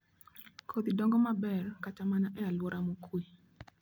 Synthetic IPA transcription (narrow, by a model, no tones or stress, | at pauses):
kʰod̪idɔŋɡɔmabɛrkat͡ʃamanaʔɛalwɔɾʔamokwi